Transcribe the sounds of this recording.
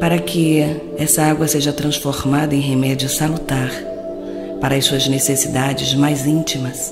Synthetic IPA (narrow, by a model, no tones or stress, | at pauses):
paɾɐkʰɪ | ɛsɐaɡwɐseʒɐt̪ɾɐ̃sfoɾmad̪ɐẽj̃ɦemɛd͡ʒiʊsalut̪aɾ | paɾɐɐjsuɐznesesid̪ad͡ʒɪzmajzĩt͡ʃimɐs